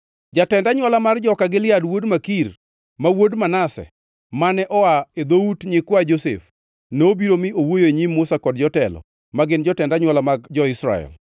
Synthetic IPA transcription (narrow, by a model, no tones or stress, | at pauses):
d͡ʒatɛndaɲwalamard͡ʒɔkaɡɪlɪadwodmakir | mawodmanasɛ̰ | manɛʔɔaed̪outɲɪkwad͡ʒosḛf | noobiɾomɪowojoɲimːʊsakɔdd͡ʒɔtɛlɔ̰ | maɡɪnd͡ʒɔtɛndaɲwalamaɡd͡ʒɔɪsɾa̰ɛ̰l